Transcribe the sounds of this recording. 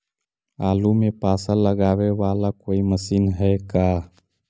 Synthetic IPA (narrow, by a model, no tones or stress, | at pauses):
aːlumepasələɡaʋeʋalakoiməsiːnɦɛka